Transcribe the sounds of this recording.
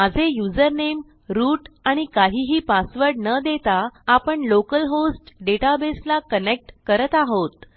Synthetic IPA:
mad͡zʱejud͡zəɾnem | ɾuːʈaɽ̃ikaɦiːɦiːpasʋəɾɽnəd̪et̪aːpəɳlokəlɦosʈɖeʈabeslakənek̚ʈkəɾət̪aɦot̪̚

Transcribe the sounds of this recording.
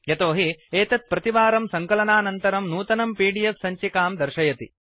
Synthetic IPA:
jɐt̪oːɦieːt̪ɐt̪̚pɾɐt̪iʋaːɾɐmsɐŋkɐlɐnaːnɐnt̪ɐɾɐmnuːt̪ɐnɐmpiːɖijɐfsɐɲt͡ʃikaːmd̪ɐɾʃɐjɐt̪ḭ

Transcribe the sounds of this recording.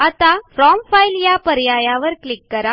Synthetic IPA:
at̪afɾɔmfailjapəɾjajaʋəɾklikːəɾa

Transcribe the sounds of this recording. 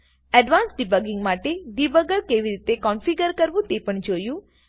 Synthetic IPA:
ɛɖʋaːnsɖibəɡɪ̃ŋɡmaːʈeɖibəɡəɾkeːʋiɾiːt̪ekɔːnfʰiɡəɾkəɾʋũt̪epəɳ̃d͡ʒoːjuː

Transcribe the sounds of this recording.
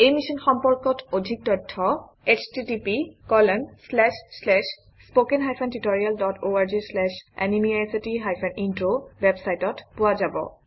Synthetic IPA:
ejmisɔnxɔmpɔɹkɔtʰodʱik̚tɔtʰːɔ | et͡ʃʰtitipikɔlɔnslɛʃslɛʃ | spokenɦajpʰɛntitoɹialdɔtʰoaɹd͡ʒislɛʃɛ̰nimiasitiɦajpʰɛnintɹowebsajtɔtpʊad͡ʒabɔ̰

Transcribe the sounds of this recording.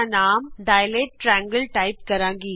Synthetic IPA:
naːmɖ̪ɐjleːʈʈɾaːŋɡɐlʈɐɪp̚kɐɾaːŋɡi

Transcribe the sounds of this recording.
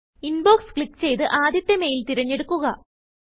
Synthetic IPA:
inbo̞ːkskɭikːt͡ɕe̞jt̪ɨʔaːd̪jɐt̪ːeme̞ːjilt̪iɾɐɲːe̞ɽukːuɣɐ

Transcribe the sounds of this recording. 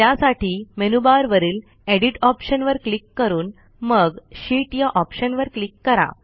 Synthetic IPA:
jasaʈiːmenubaɾʋəɾiːl | eɽiʈɔpɕənʋəɾklikːəɾuːn | məɡɕiːʈjaʔɔpɕənʋəɾklikːəɾa̰

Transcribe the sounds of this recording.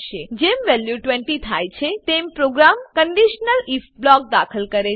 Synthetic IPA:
ʃed͡ʒemʋɛljuʈʋɛɳʈit̪ʰajt͡ʃʰet̪empɾoɡɾamkəɳɖiʃnəlifblɔk̚d̪akʰəlkəɾe

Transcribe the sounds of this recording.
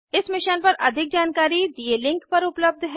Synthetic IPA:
ɪsmɪʃənpɐɾʔɐ̰d̪ʱɪk̚d͡ʒaːnkaːɾid̪ielɪ̃ŋkpɐɾʊpləb̚d̪ʱɦɛ

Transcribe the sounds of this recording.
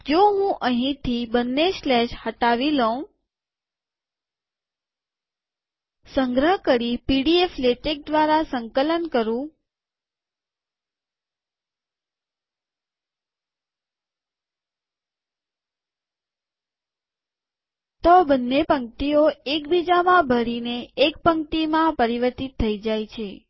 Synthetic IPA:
d͡ʒoːɦũʔəɦĩt̪ʰibənːeslɛʃhəʈaːʋilõ | sə̃ŋɡɾəɦkəɾipiɖiefleʈek̚d̪ʋaːɾasə̃ŋkələnkəɾũ | t̪obənːepəŋk̚t̪ioekbid͡ʒamãbʱəɽineːk̚pəŋkt̪imãpəɾiʋəɾt̪it̪ʰːəid͡ʒajt͡ʃʰe

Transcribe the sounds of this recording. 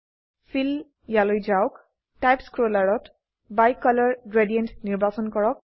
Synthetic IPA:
fʰil | jalojzaʊk | tajpskɹolaɹɔt | bajkɔlɔɹɡɹedijɛntniɹbasɔnkɔɹɔk̚

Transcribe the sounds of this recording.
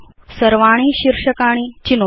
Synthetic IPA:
səɾʋaɽ̃iːɕiɾʂəkaɽ̃iːt͡ɕino

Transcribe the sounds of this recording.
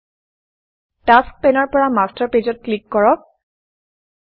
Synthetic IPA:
task̚pɛnɔɹpɔɹamastaɹpezɔt̚klikːɔɹɔk̚

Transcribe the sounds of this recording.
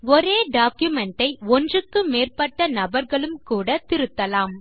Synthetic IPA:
ɔɾeːɖaːkjʊmɛɳʈɐɪɔndrɯkːɯmeːrpɐʈːɐnɐbɐɾɣɐɭɯmkuːɽɐt̪ɪɾɯt̪ːɐlaːm

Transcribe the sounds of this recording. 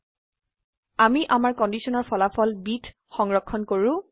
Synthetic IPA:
amiʔamaɹkɔndisɔnɔɹpʰɔlapʰɔlbitʰ | xɔŋɹɔkʰːɔnkoɹʊ̃

